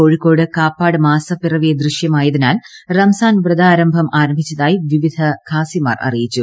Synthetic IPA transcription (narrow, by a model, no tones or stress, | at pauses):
oːɻikːo̞ːɽɨkaːpːaːɽɨmaːsɐpːirɐʋijɐd̪riʂjɐmaːjɐðinaːlrɐmɐsaːnʋrɨd̪aːɾɐmbʱɐmʔaːɾɐmbʱit͡ɕːɐðaːjiʋiʋid̪ʱɐkʰaːsima̰ːrɐ̰rijit͡ɕːu